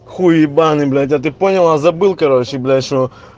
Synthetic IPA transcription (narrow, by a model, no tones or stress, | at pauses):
xujibanɨblʲɛt̪̬ʲjat̪ɪponʲɐlˠazɐbɨlˠkɐɾɔʃiblʲɛʃɔ